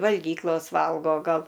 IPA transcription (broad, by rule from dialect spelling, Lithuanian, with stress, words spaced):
ʋɐlʲˈɡʲiːklˠoːs ˈʋɐlˠɡoː ˈɡɐlˠ